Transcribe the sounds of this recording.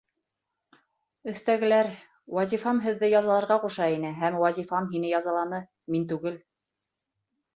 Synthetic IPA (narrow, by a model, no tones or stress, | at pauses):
ɵ̆θt̪æɡɘ̆læɾ | wɑzʲifɑmɦɘ̆ðːɘjɑzɑlˠɑɾʁɑquʃɑinɘɦæmwɑzʲifɑmɦinɘjɑzɑlˠɑnɤ | mint̪ʉɡɘl